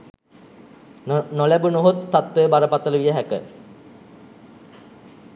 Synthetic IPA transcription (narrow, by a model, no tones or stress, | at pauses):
nolæbunoɦot̪ːat̪ʋəjəbaɾəpat̪ələʋijəɦækə̰